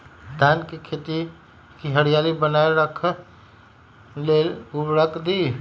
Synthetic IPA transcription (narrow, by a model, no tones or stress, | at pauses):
d̪ankekʰet̪i | kiɦəɽijalibənaeɾəkʰ | lelubɾəkʰd̪i